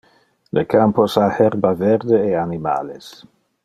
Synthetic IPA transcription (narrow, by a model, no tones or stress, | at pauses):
lekamposahɛɾbavɛɾd̪eːanima̰les